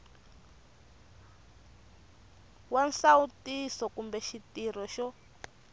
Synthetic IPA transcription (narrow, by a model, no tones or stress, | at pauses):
wansautisɔkumbɛʃitir̤ɔʃɔ